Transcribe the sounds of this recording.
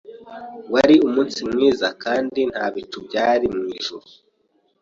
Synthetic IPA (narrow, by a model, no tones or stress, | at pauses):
waɾiumuːnsimŋiːzakaːndin̥haβit͡ʃubɟaːɾimŋiːʒuɾu